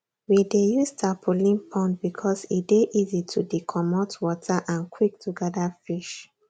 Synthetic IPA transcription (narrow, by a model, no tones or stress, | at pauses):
widejustʰapʰulĩnpʰɔ̃ntbikʰɔsibeʔizitʰudikʰɔmɔtwɔtʰaʔãnkʰwik̚tʰuɡɛdafiʃ